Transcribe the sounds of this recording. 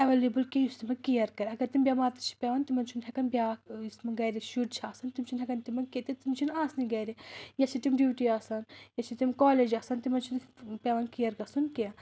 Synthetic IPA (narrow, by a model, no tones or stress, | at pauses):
ɐʋeːlebɨlkejust̪imɐkijɐɾkɐɾʲɐɡɐɾt̪imbʲamaːt̪ɐɾt͡ʃʰi̥pʲɛʋaːnt̪imɐnt͡ʃʰunɦʲɛkɐnbʲjajusmɐɡɐːɾiʃuʈ̚t͡ʃʰaːsɐnt̪imt͡ʃʰunɦɛkɐnt̪imɐnket̪it̪imt͡ʃʰinaːsniɡɐːɾijɐsʰit̪imɖjuːʈiaːsanjɐt͡ʃʰit̪imkaːleːd͡ʒaːsɐnt̪imɐnt͡ʃʰunpʲɛːʋaːnkijɐɾkɐsunkiɐ